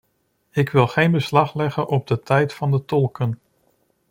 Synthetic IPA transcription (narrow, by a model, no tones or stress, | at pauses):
ɪkʋɪlˠχejnbəslɑχlɛχənʔɔb̚dətɛjtfɑndətɔlˠkən